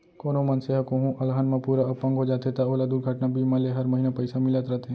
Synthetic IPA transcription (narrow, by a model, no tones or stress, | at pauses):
koːnõmɐ̃nseɦakoɦũʔɐlɦaːnmãpuːɾaɐpə̃ŋɡʱɦod͡ʒaːt̪et̪aoːlad̪uɾɡʱaʈnabʱimãleɦɐɾməɦiːnãpəɪsamɪlat̪ɾət̪e